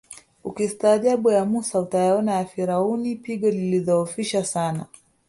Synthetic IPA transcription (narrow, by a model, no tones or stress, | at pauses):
ukistaːʄaɓujamusautajaɔnajafiɾaunipiɠɔliliðɔufiʃasana